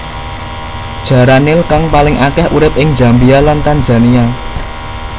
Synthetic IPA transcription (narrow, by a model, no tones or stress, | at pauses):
d̥ʒ̥ä̤ɾanɪlkaŋpalɪŋʔakɛhuɾɪp̚ʔɪŋ̥d͡ʒ̥a̤mbialank̪and͡ʒa̤nia